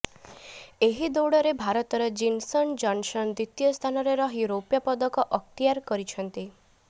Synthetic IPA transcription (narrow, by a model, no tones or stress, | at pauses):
eɦid̪oɽɔɾebʱaɾɔt̪ɔɾɔd͡ʒinsɔnd͡ʒɔnsɔnd̪ɾit̪jɔst̪ʰanɔɾeɾɔɦiɾopjapɔd̪ɔkɔʔɔk̚t̪ijaɾkɔɾit͡ʃʰɔnt̪i